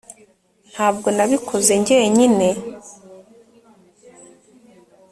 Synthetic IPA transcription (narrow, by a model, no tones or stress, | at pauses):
n̥haːb̚ɡo̞naβikʰo̞ze̞ɲɟe̞ːɲine̞